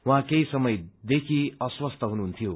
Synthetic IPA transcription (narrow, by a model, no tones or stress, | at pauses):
wɦãkejsʌmʌjd̪ekʰiʌswʌst̪ʌɦunuɦunt̪ʰijo